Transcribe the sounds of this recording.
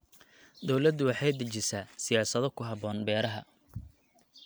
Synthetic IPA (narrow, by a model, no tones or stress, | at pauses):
d̪ɔwlɐd̪ːʊwɑħɑjd̪ɐt͡ʃɪsaːsɪjaːsɐðɔkʰʊɦɐβɔːnbɛːɾɐɦɐ̰